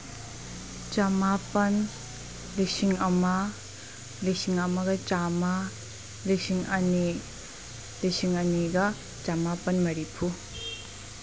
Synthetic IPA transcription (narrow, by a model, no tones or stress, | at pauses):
t͡ʃɐmapɐn | lisiŋɐmɐ | lisiŋɐmɐɡɐt͡ʃamɐ | lisiŋɐni | lisiŋɐniɡɐ | t͡ʃamapɐnmɐɾipʰu